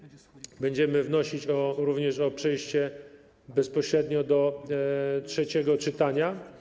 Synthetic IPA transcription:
bɛɲd͡ʑɛmɘvnɔɕit͡ɕɔɾuvɲɛʂɔpʂɛjɕt͡ɕɛ | bɛspɔɕɾɛd̪ɲɔd̪ɔ | tʂɛt͡ɕɛɡɔt͡ʂɘt̪aɲa

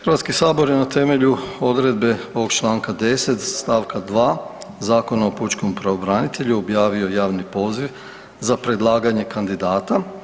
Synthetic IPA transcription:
xɾʋat̪skisaːbo̞ɾje̞nat̪e̞me̞ʎuo̞d̪ɾe̞d̪̚be̞oʋoɡt͡ʃlˠaːŋkad̪e̞se̞t̪sst̪aːʋkad̪ʋaː | zaːko̞nao̞put͡ʃko̞mpɾaʋobɾanit̪e̞ʎuo̞bjaːʋio̞jaːʋnipo̞ːziʋ | zapɾe̞d̪lˠaːɡaɲe̞kand̪id̪aːt̪a

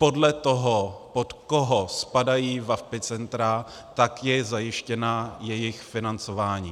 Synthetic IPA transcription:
po̞dlɛt̪oɦopot̪koɦospadajiːvafpɪt͡sɛnt̪ɾa | t̪akjɛzajɪʃcɛnajɛjɪxfɪnant͡so̞vaːɲiː

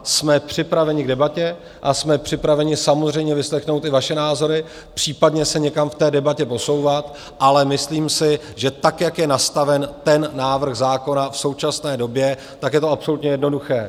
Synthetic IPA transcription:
smɛpr̝̥ɪpɾavɛɲɪɡ̚dɛbacɛ | ʔasmɛpr̥ɪpɾavɛɲɪsamozr̝ɛjmɲɛvɪslɛxno̞wt̪ɪvaʃɛnaːzo̞ɾɪ | pr̝̥iːpadɲɛsɛɲɛkamft̪ɛːdɛbacɛpo̞so̞wvat̪ | ʔalɛmɪsliːmsɪ | ʒɛt̪akjakjɛnast̪avɛnt̪ɛnːaːvr̩ɣzaːko̞nafso̞wt͡ʃasnɛːdo̞bjɛ | t̪akjɛt̪oapso̞lut̪ɲɛjɛdno̞duxɛː

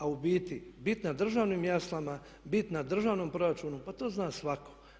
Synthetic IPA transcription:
aubiːt̪ibit̪nad̪r̩ʒaːʋnimjaslˠama | bit̪nad̪r̩ʒaːʋnompɾo̞ɾat͡ʃuːnupat̪oːznaːsʋako̥

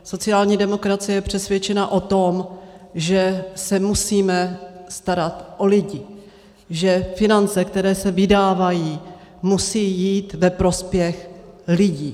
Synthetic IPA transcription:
so̞t͡sɪaːlɲiːdɛmo̞kɾat͡sɪjɛjɛpr̥ɛsvjɛt͡ʃɛnaʔo̞t̪o̞mʒɛsɛmusiːmɛst̪aɾat̪ʔo̞lɪɟɪ | ʒɛfɪnant͡sɛk̚t̪ɛɾɛːsɛvɪdaːvajiː | musiːjiːt̪vɛpɾo̞spjɛxlɪɟiː

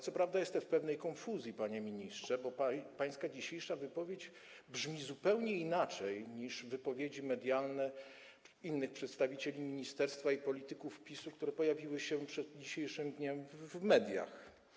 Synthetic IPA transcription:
t̪sɔpɾavd̪ajɛst̪ɛfpɛvnɛjkɔnfuzʲjipaɲɛmʲiɲistʂɛbɔpapaj̃skad͡ʑiɕejʂavɘpɔvʲjed͡ʑ | bʐmʲizupɛwɲɛinat͡ʂɛjɲiʂvɘpɔvʲjed͡ʑimɛd̪ʲjalnɛ | inːɘxpʂɛt̪st̪avʲit͡ɕelʲimʲiɲist̪ɛɾst̪faipɔlʲit̪ɘkufpʲisukt̪uɾɛpɔjavʲiwɘɕɛpʂɛd̪̚d͡ʑiɕejʂɘmd̪ɲɛmvmɛd̪ʲja̰x

